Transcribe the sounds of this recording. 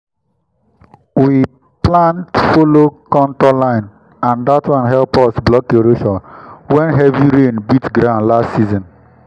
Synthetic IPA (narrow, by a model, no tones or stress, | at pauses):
wi | plãntfolokɔ̃ntɔlãɪ̃n | ãndatwãnɦɛlpɔsblɔkeɾoʃɔwɛ̃nɦɛviɾenbitɡɾãʊ̃nlastːsizɔ̃n